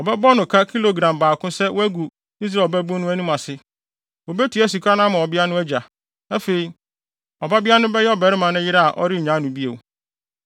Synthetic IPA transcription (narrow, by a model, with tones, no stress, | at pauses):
ɔ˨bɛ˦bɔ˦nʊ̃˨kʰa˦kʰi˦lo˨ɡɾã˨mbaː˨kʰʊ̃˦sɛ˦wʔæ˦ɡu˨ | i˦s̬ɾa˨bæ˦bʊ̃˦nʊ̃˦æ˦nũ˦mã˨sɪ˦ | wo˨bɛ˦tʰi˨æ˦s̬u˨kʰa˦nã˦mã˨ɔ˨bɪ˦a˦nʊ̃˦æ˦d͡ʑa˨ | nã˦fe˨i˨ | ɔ˨ba˦bɪ˦a˦nʊ̃˦bɛ˦jɛ˦ɔ˦bɛ˨ɾɪ˦mã˨˦nʊ̃˦jɪ˦ɾa˦a˨ʔɔ̰˦ɾɪ˦˨ɲã˨˦nʊ̃˨bi˦e˨w